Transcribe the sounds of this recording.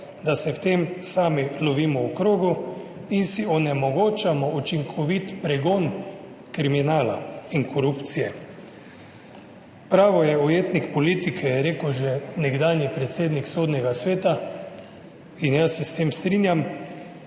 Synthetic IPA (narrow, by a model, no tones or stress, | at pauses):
d̪asɛwt̪emsaːmilɔʋiːmɔukɾoːɡuinsiɔnɛmɔɡoːt͡ʃamɔut͡ʃiŋkʰɔʋit̪pɾɛɡon | kɾiminaːla̰iŋkɔɾupt̪sijɛ | pɾaːʋɔjɛɔjeːt̪nikpɔlit̪ikʰɛjɛɾeːkɛwʒɛnɛɡd̪aːnjipɾɛt̪seːd̪niksoːd̪nɛɡasʋeːt̪a | injasɛst̪eːmst̪ɾinjam